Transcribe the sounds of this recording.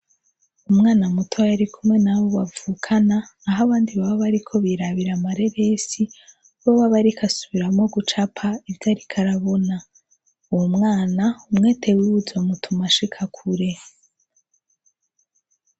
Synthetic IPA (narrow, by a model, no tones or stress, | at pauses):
umŋaːnamutʰojaɾikʰumŋe̞naβo̞βavuːkʰanaːɦaβaːndiβaβaβaɾikʰo̞βiɾaβiɾamaɾe̞βe̞si | βoβaβaɾikʰasuβiɾamŋo̞ɡut͡ʃapʰaivjaːɾikʰaɾaβo̞na | uwomŋaːnaumŋe̞ːtʰe̞wewuzomutʰumaʃikʰakʰuɾe̞